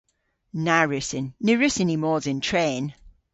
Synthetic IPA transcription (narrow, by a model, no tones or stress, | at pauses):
naɹʉsɪnːɪɹʉsɪnimɔːzɪntʰɹ̥eːn